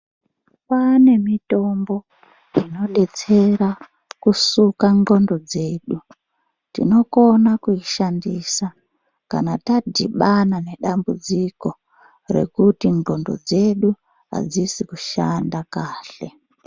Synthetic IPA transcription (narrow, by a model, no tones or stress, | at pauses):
pane̞mito̞mbo̞ | ino̞ɗe̞t͡se̞ɾa | kusukaŋɡo̞ndo̞d͡ze̞ːɗu | tḭno̞ko̞nakuiʃandisa | ka̰natadʱiɓanane̞ɗambud͡ziko̞ | re̞̰kutiŋɡo̞ndo̞̰d͡ze̞ɗu | ɦa̰d͡zisikuʃandakaːɬe̞̰